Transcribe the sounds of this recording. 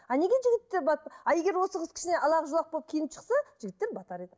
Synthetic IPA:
ɑne̞ɡʲeʒɪɡʲɪt̪ːeɾbɑt̪ɑe̞ɡʲe̞ɾwo̞səʁəzkʲʰɪ̥ʃɪne̞ɑlˠɑʁəʒulˠɑq̚bo̞lˠpkʲʰijɪnɪpʃə̥qsɑʒ̥ɪɡʲɪt̪ːe̞ɾbɑt̪ɑɾe̞d̪ɪ

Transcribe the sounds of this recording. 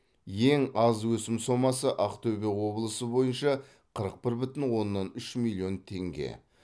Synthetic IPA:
je̞ŋɑzwɵsɪmso̞mɑsəʔɑqt̪ʰɵbewo̞blˠəsəbo̞jənʃɑ | qʰəɾəq̚pɪɾbʏt̪ɪnwo̞nːɑnʏʃmilʲˠːio̞nt̪ʰe̞ŋɡʲḛ

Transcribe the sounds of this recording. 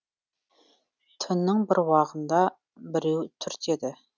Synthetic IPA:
t̪ʰɨnːɨŋbɪɾwɑʁənd̪ɑ | bɪɾewt̪ʰyɾt̪ʰed̪ɪ

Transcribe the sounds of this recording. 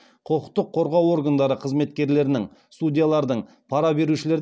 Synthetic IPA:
qʰo̞qə̥q̚t̪ːəqʰːo̞ɾʁɑwo̞ɾɡand̪ɑɾəqʰəzme̞t̪kʲe̞ɾle̞ɾɪnɪŋ | st̪udʲijalˠɑɾd̪əɴ | pʰɑɾɑbe̞ɾuʃɪle̞ɾ

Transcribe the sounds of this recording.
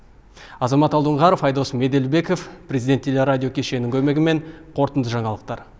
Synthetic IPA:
ɑzɑmɑt̪ɑlˠd̪əɴʁɑɾofɑjd̪osəme̞d̪e̞lbeko̞fprʲe̞zʲid̪e̞nt̪ʰːe̞lʲeɾadʲijo̞kʲʰe̞ʃe̞nɪŋkʲʰɵme̞ɡʲɪme̞ŋqʰo̞ɾt̪ənd̪əʒɑɴɑlˠəq̚t̪ɑɾ

